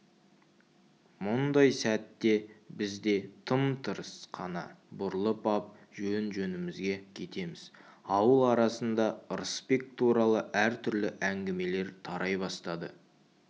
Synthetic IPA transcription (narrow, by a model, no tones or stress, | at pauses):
mʊnd̪ɑjsæt̪ːe̞bɪzd̪e̞t̪ʰəmt̪ʰəɾəsqʰɑnɑ̰bʊɾlˠəpɑp̚ʒ̥ɵnʒɵnɪmɪzɡʲe̞kʲʰe̞t̪e̞mɪz̥ɑwəlˠɑɾɑsənd̪ɑəɾəspe̞k̚t̪ʰuɾɑlˠəʔæɾt̪ʰʏɾlɪʔæŋɡʲɪme̞le̞ɾt̪ʰɑɾʔɑjbɑst̪ɑd̪ə̰